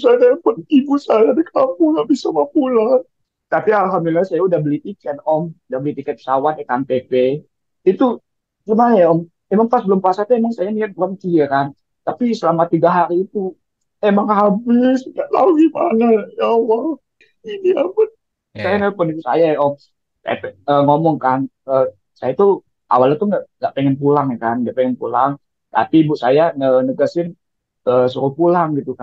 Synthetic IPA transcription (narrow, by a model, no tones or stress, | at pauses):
sajanajpənibusajadəkapulabisamapula | t̪apialɦamd̪ulilahsajaudahbəlit̪ikɛt̪ɔmudahbəlit̪ikɛt̪̚sawanakanpepe | it̪u | t͡ʃumanʔɔm | emaŋfasbəlʊmpəasat̪uemaŋsajaniat̪̚bəkank̪iakan | t̪apisəlamat̪iɡaɦaɾiːt̪u | emaŋhabɪsdaʔla̰uɡima̰najawa | iniabɪt̪̚ | sajanapənik̪usa̰jaaʔɔ | sa̰japɛəŋomɔŋkan | əː | sajat̪u | ʔa̰walat̪uŋɡaʔŋɡaʔpeŋɛnpulaŋjakanŋɡaʔpɛŋɛnpulaŋ | t̪a̰pibuʔsajanənəɡasɪn | əːsuɾopulaŋɡit̪uka